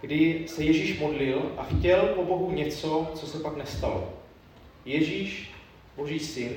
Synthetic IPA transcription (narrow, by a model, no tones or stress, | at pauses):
ɡdɪsɛjɛʒiːʃmo̞dlɪlʔaxcɛlpo̞bo̞ɦuɲɛt͡so̞t͡sosɛpaknɛst̪alo | jɛʒiːʃ | bo̞ʒiːsɪn